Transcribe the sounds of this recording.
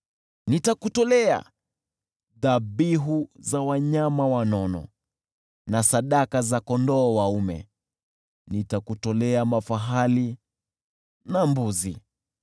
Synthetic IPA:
nitakutɔlɛa̰ | ðaɓiɦuzawaɲamawanɔnɔ̰ | nasaɗakazakɔndɔːwaumɛ̰ | nitakutɔlɛamafaɦali | nambuzi

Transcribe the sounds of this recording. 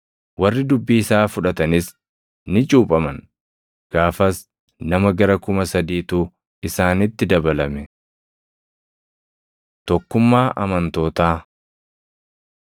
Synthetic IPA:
wɐrːɪd̪ʊbːiːɪsaːfʊᶑɐt̪ɐnɪs | nɪt͡ʃʼuːpʼɐmɐn | ɡ̥aːfɐs | nɐmɐɡɐɾɐkʊmɐsɐd̪iːt̪uː | ɪsaːnɪt̪ːɪd̪ɐbɐlɐmɛ | t̪ɔkːʊmːaːʔɐmɐnt̪o̞ːt̪aː

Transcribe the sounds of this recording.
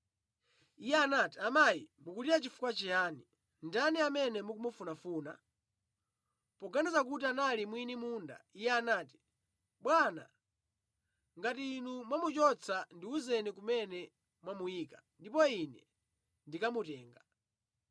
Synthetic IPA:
ijɛanaːtiamajimukutiɾat͡ʃifu̥kwat͡ʃɛjaːni | ndaniamɛnɛmuk̬umufunafuːna̰ | pɔɡanizakutianalimwinimuːnda̰ijɛanaːti̥ | ɓwana̰ | ŋɡatiːnumwamut͡ʃɔt͡sʰandiuzɛnikumɛnɛ | mwamuiːkandipɔinɛ | ndikamutɛːŋɡa

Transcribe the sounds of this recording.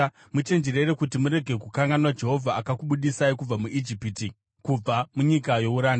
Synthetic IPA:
mut͡ʃe̞nd͡ʒeɾe̞ɾekutimuɾe̞ɡʱe̞kukaŋɡanwad͡ʒe̞ɦo̞vʱaakakuɓuɗisaikub͡vamuʔid͡ʒipiti | kub͡vamuɲikajo̞uɾaːn

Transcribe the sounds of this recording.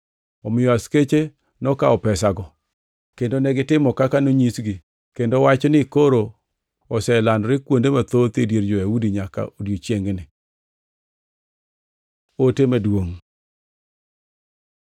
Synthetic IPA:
ɔmɪjɔasket͡ʃe | nɔkaɔpɛsaɡɔ | kendonɛɡɪtɪmɔkakanoɲisɡi | kendowat͡ʃɔnɪkoɾo | ɔsɛlandɾɪkwondemat̪ot̪edjeɾd͡ʒojawudiɲaka̰odjot͡ʃjeŋɡnɪ | otemadwoŋ

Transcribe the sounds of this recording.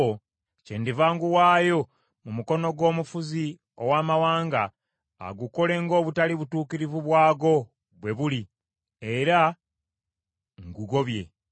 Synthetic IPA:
o | ce̞ːndivaːŋɡuwaːjo̞ | mumuko̞no̞ɡo̞ːmufuzi | o̞̰waːmawaːŋɡa̰ː | ɡuko̞le̞ŋɡo̞ːβutaliβutuːkiɾivuβwaːɡo̞ | βwe̞βuli | eɾa | ŋɡuɡo̞βje̞̰

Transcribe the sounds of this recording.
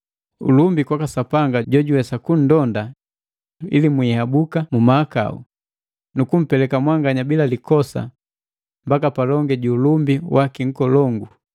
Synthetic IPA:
ṵlumbikwakasapaŋɡaɟɔɟuwɛsakun̩dɔnda | ḭlimwiːhabukamumaːka̰ṵ | nukum̩pɛlɛkamwaŋɡaɲabilalikɔsa̰ | mbakapalɔŋɡɛɟuːlumbiwakiŋ̩kɔlɔŋɡu

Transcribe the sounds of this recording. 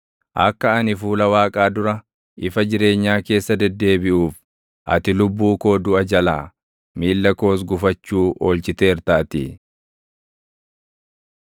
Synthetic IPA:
ʔɐ̰kːɐɐnɪfuːlɐwaːkʼaːd̪ʊɾɐ | ɪfɐd͡ʒɪɾe̞ːɲːaːke̞ːsːɐd̪ɛd̪ːe̞ːbɪʔuːf | ʔɐ̰t̪ɪlʊbːuːko̞ːd̪ʊʔɐd͡ʒɐla̰ː | miːlːɐko̞ːs̬ɡʊfɐt͡ʃːuːʔoːlt͡ʃɪt̪e̞ːɾt̪aːt̪ɪ̰

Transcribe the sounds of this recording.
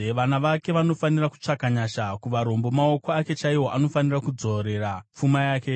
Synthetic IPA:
ʋanaʋake̞ʋano̞faniraku̥t͡ʂakaɲaʃakuʋaɾo̞mbo̞maokoake̞t͡ʃaiwo̞ʔano̞fanirakud͡zo̞ɾe̞rap͡fumajaːke̞

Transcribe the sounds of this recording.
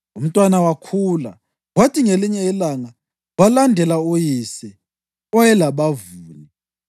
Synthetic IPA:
um̩tʼwanawakʰula̰ | watʰʼiŋeliɲɛilaŋa | walandʱɛlaujisɛ | ɔjɛlaβavuːli

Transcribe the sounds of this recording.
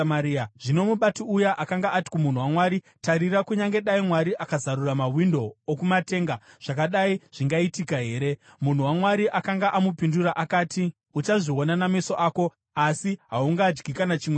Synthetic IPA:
maiaʐ̥ino̞muɓatiujaʔakaŋɡaːti̥kumun̤uwamwaːɾi | taɾirakuɲaŋɡe̞ɗaimwaɾiʔakazaɾuramawindo̞ːkumate̞ːŋɡa | ʐ̥akaɗaiʐ̥iŋɡaitikaɦe̞ːɾe̞ | mun̤uwamwaɾiʔakaŋɡaʔamupinduraʔakaːtʰi | ut͡ʃaʐio̞nanamiso̞ʔaːko̞ | asiɦauŋɡaːd͡ʒɡikanat͡ʃiːmwe

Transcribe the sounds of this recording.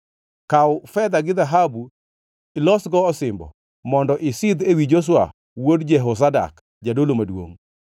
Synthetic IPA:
kawfɛd̪aɡɪðaɦabu | ɪlɔsɡɔːsɪmbɔ̰ | mɔndɔʔɪsɪd̪ewid͡ʒos̬wa̰ | wodd͡ʒɛɦos̬ada̰k | d͡ʒadolomadwo̰ŋ

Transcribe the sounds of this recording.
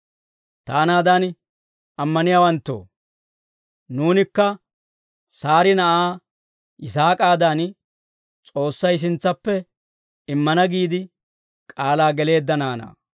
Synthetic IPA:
t̪aːnaːd̪ɐn | ɐmːɐnɪjaːwɐnt̪ːo̞̰ː | nuːnɪkːɐ | saːɾɪnɐʔaː | ʔɪsaːkʼaːd̪an | t͡sʼo̞ːsːɐjs̬ɪnt͡sːɐpːɛ | ɪmːɐnɐɡiːd̪ɪ | kʼaːlaːɡɛle̞ːd̪ːɐnaːna̰ː

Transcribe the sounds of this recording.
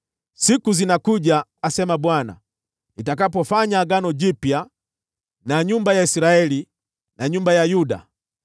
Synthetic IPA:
sikuzinakuʄaːsɛmaɓwana̰ | nitak̬apɔfaɲaːɡanɔd͡ʒipja | naɲumbajaisɾaɛli | naɲumbajajuda̰

